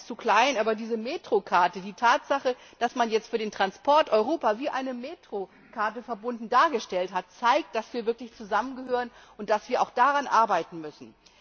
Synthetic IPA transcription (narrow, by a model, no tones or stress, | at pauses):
t͡sukl̥aɪnʔaːbɐdiːzəmeːtʁ̥okʰaɐtədiːtʰaːtz̥aχəd̥asmanjɛt͡stfyːɐdeːntʁ̥anspʰɔɐtʔɔʏʁ̞oːpaviːʔa̰ɪnəmeːtʁ̥o | kʰaɐtəfɛɐbʊndn̩daːɐɡəʃtɛlthat̚t͡saɪk̚td̥asv̥iːɐvɪɐklɪçt͡suzamənɡəɦøːʁənʔʊnt̚d̥asv̥iːɐʔa̰ʊxd̥aʁanʔaɐbaɪtn̩mʏsn̩